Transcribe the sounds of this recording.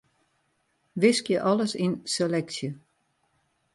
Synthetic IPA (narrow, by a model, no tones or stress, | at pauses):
ʋɪskjəʔɔləsinseleksjə